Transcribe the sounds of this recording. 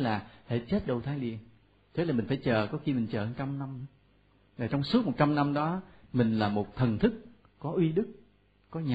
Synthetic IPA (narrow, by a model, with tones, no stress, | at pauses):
laː˨˩hḛ˧˩t͡ɕe˦˥t̚ɗə˧wt̪ʰaː˨˧jɗḭ˧ən | t̪ʰe˨˦la˨˩ï̟˨˩faː˧˩jt͡ɕəː˨˩kɔ˨˦xi˧mï˨˩ŋ̟t͡ɕəː˨˩ʔə˨˧nt͡ɕa˧mna˧m˦ | zaː˨˩t͡ɕɔ˧wŋ͡msu˦˥t̚mo˨˩t̚t͡ɕa˧mna˧mɗɔ˨˦mï˨˩ŋ̟laː˨˩mo˨˩t̚t̪ʰə˨˩nt̪ʰɨ˦˥k̚ | kɔ˨˦ʔwi˧ɗɨ˦˥k̚ː | ɔ˨˦ɲa˨